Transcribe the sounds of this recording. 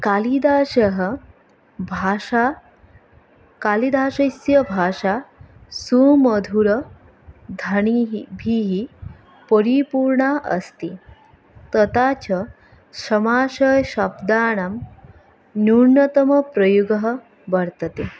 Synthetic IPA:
kalid̪aːʃɐɦə | bʱaa | kalid̪ʱaːʂɐsjɐbʱaːʂasumɐd̪ʱuɾɐ | d̪ʱɐɳiɦibʱiɦi | pəɾipuːɾɳaʔɐst̪i | t̪ɐt̪at͡ɕɐ | sɾɐmaːʃɐjɕɐbd̪aːɳɐm | nuɾnɐt̪ɐmɐpɾəjuɡɐɦə | bɐɽt̪ɐt̪e

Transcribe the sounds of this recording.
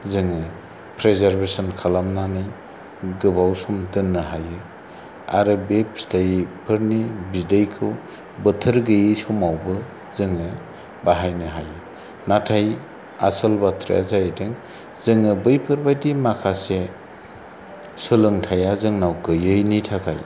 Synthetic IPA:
zɯŋɯ | pʰɾezaɾbesɔnkʰalamnanɯj | ɡɯbawsumtɯnːɯɦajɯ | a̰ɾɯbepstʰajpʰɯɾnibidejkʰɯw | bɯtʰɯɾɡɯjɯjsɔmawbɯ | zɯŋɯ | baɦajnɯɦajɯ | natʰaj | a̰sɯlbatʰɾḭa̰zajdɯŋ | zɯŋɯbɯjpʰɯɾbajdimakʰase | sɯlɯŋtʰajazɯŋnawɡɯjɯjnitʰakʰa̰j

